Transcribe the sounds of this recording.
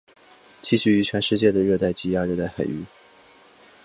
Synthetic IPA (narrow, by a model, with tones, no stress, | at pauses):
t͡ɕi˥˧ɕy˥˩y˧˥t͡ɕʰɥɛ˧˥nʂɻ̩˥˧t͡ɕjɛ˥˩d̪ə˩ɻɤ˥˧t̪a˥˩ɪt͡ɕi˧˥a˧˥ɻɤ˥˧t̪a˥˩ɪxa˨˩ɪy̰˥˦